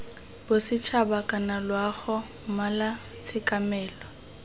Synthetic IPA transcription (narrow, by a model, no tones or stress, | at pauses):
bʊsɪt͡ʃʰabakʼanalwaɣɔ | mala | t͡sʰɪkʼamɛːlɔ